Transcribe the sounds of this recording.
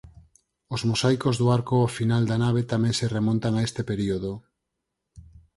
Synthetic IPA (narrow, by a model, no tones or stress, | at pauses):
ozmosajkozðoaɾkoafinald̪anaβ̞et̪amẽŋseremõnt̪aŋaest̪epeɾioðo